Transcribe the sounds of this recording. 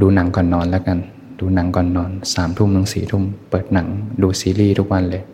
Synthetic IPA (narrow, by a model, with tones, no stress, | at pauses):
duː˧na˩˦ŋkɔː˨˩nːɔː˧nlɛ˦˥ka˧n | duː˧na˩˦ŋkɔː˨˩nːɔː˧nsaː˩˦mt̪ʰu˥˩mna˨˩˦ŋsiː˨˩t̪ʰu˥˩mpɤː˨˩t̪̚na˩˦ŋduː˧siː˧˦liː˥˩t̪ʰu˦˥k̚wa˧nlɤː˧j